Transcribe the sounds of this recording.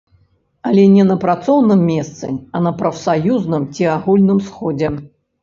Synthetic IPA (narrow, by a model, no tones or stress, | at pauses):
ɐlʲɛnʲɛnɐpɾat̪sɔwnɨmːʲɛst̪sɨ̰ɐnɐpɾɐfsajuznɨmt͡sʲiaɣulʲnɨmsxɔd͡zʲɛ